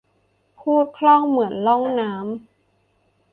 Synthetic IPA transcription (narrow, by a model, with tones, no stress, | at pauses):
pʰuː˥˩t̪̚kʰlɔ˥˩ŋmɯ˩˦ənlɔ˥˩ŋnaː˦˥m